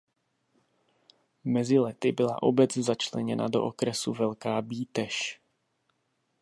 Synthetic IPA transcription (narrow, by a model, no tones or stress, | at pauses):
mɛzɪlɛt̪ɪbɪla̰ʔobɛt͡szat͡ʃlɛɲɛna̰do̞̰ʔokɾɛsuvɛlkaːbiːt̪ɛʃ